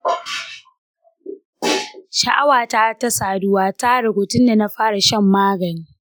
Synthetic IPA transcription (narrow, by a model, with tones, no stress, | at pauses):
ʃa˨ʔa˦waː˨ta˦ta˦saː˨dʊ˦waː˦ta˦ɽʊ˨boː˨tʊ˦nda˨na˦ɸaː˦ɽa˨ʃɐ˦˨mːaː˦ɡɐ˨ni˦